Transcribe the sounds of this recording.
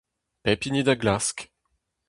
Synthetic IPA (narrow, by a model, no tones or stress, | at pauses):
pɛpinid̪aɡlask